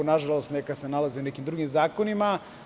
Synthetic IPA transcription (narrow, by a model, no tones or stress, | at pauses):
onaʒalˠost̪nekasenalˠaziunekimd̪ɾuɡimzaːkonima